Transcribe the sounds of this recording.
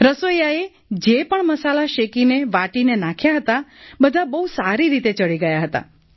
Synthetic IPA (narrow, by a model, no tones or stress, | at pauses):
ɾəsojae | d͡ʒepəɳməsalaʃekineʋaʈinenakʰjaɦət̪abəd̪ʱabəɦusaɾiɾit̪et͡ʃəɭiɡəjaɦət̪a̰